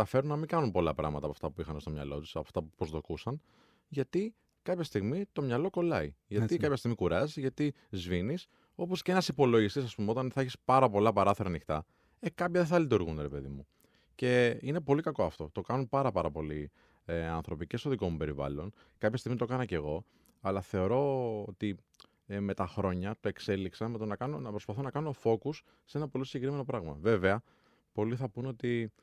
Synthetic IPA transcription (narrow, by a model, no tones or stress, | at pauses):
ɐfe̞ɾunnɐmiŋɡɐnunpo̞lɐpɾɐ̰ɣmɐt̪ɐpɐft̪ɐpuixɐnst̪o̞mɲɐ̰lo̞t̪u̥sɐpoft̪ɐpupɾozðokusɐn | ʝɐt̪i | kɐpçɐst̪iɣmit̪o̞mɲɐlo̞ko̞lɐiʝɐt̪ikɐpçɐst̪iɣmikuɾɐzizʝɐt̪i | zvinis | o̞po̞sceenɐsipo̞lo̞ʝist̪isɐspumeo̞t̪ɐnθɐeçispɐɾɐpo̞lɐpɐɾɐθeɾɐnixt̪ɐ̰ | ekɐpçɐðeθɐlit̪uɾɣunɾe̞pe̞ðimu | ce̞ine̞po̞likɐko̞ɐft̪o̞̰t̪o̞kɐnunpɐɾɐpɐɾɐpo̞li | ɐ̰nθɾo̞pice̞st̪o̞ðiko̞mupe̞ɾivɐ̰lo̞n | kɐpçɐst̪iɣmit̪o̞kɐnɐce̞ɣo̞ | ɐlɐθe̞o̞ɾo̞ot̪i | me̞t̪ɐxɾo̞ɲɐt̪o̞e̞kse̞liksɐmet̪onɐkɐnonɐpɾo̞spɐθonɐkɐnuo̞fo̞kusːe̞nɐpo̞lisiɲɟekɾime̞no̞pɾɐɣmɐ̰ve̞ve̞ɐ | po̞liθɐpuno̞t̪i